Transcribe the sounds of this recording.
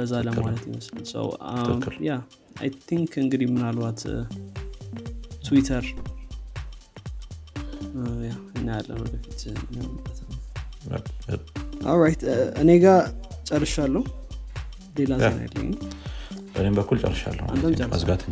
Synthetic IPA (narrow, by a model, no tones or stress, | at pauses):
bəzːaləmalət̪jɪməslɨnsə̰w | ja | a̰jt̪ʰiŋkʰɨŋɡɨd̪ihmɨnalwat̪ | t̪ʰwit̪ʰəɾ | jaɨnːijalːə̰nəbəfit̪ɨnːəwnɨbət̪ʰa̰ | ʔo̰ɾajt̪ɨne̞ɡat͡ʃʼərːɨʃalːəhu | le̞lazna̰jɛ̰lːə̰ɲ | b̥ənembəkʰːult͡ʃʼə̰rːɨʃa̰lːə̰ha̰nd̪ʰamt͡ʃʼəːzɡat̪ʰɨ